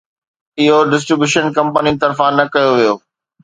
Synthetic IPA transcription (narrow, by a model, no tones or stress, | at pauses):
ɪɦoɖɪs̬ʈɾɪbjuːʃənkɐ̃mpəninɪ̆t̪ɐɾfãnɐkɐjoʋijoː